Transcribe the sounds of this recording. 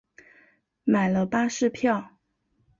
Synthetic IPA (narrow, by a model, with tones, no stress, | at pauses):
ma˨˩ɪlə˦pa˥ʂɻ̩˥˧pʰjɑ˥˩ʊ